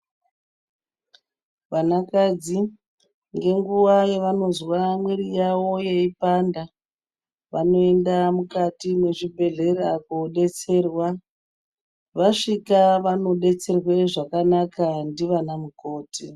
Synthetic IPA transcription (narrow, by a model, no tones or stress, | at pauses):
ʋanakad͡zi | ŋɡe̞ŋɡuwajeʋano̞zwamwirijawo̞je̞ipanda | ʋano̞e̞ndamukatimwe̞ʐibʱe̞ɮe̞ɾakoɗe̞t͡se̞ːrwa | ʋaʂikaʋano̞ɗe̞t͡se̞rwe̞ʐakanakandiʋanamuko̞ːti